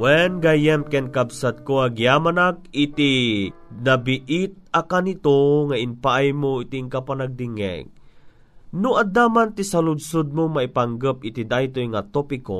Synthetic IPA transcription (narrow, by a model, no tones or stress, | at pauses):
wɛnɡajɛmkɛnkabsat̪̚koaɡijamanak̚it̪i | nabiʔit̪̚akanit̪oŋainpaʔajmoit̪iŋkapanaɡ̚d̪iŋɛ̰ŋ | nʊʔad̪amant̪isalʊd̪sod̪̚moŋmaipaŋɡəp̚it̪id̪ajt̪ojŋat̪opiko̰